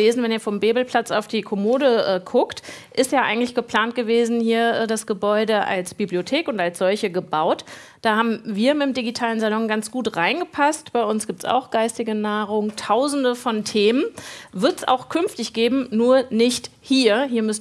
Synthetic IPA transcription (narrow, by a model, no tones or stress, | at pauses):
eːzn̩vɛniːɐfɔmbeːbl̩pʰl̥at͡saʊfd̥iːkʰɔmoːɾəʔɛːkʰʊkt | ʔɪstjaːʔa̰ɪɡŋ̩tlɪçɡ̥əpl̥aːnt̚ɡ̥əveːzn̩hiːɐʔɛːdasɡ̥əbɔʏdəʔa̰lsb̥ibliotʰeːkʊntalsz̥ɔlçəɡəbaʊt | d̥aːhaːbm̩viːɐmɪtmdiɡitʰaːlənzalɔŋɡant͡sɡ̥uːtʁaɪnɡəpʰastb̥aɪʔʊnsɡ̥iːp̚tsa̰ʊxɡ̥aɪstɪɡənaːʁʊŋtʰaʊzn̩dəfɔntʰeːmənvɪɐtsa̰ʊxkʰʏnftɪçɡ̥eːbm̩nuːɐnɪçthiːɐhiːɐmʏs